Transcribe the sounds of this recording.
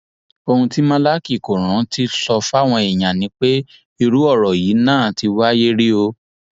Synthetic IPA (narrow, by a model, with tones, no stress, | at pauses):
o˧hũ˧ti˦mã˦la˦ki˦˨ko˨ɾ̃ã˨˦tʰi˦sɔ˧fa˦˨w̃ɔ̃˧e˨j̃ã˨nĩ˨˦k͡pe˦ | i˧ɾu˦ɔ˦˨ɾɔ˨ji˨˦nãː˦˨ti˧wa˦je˦ɾi˦o˧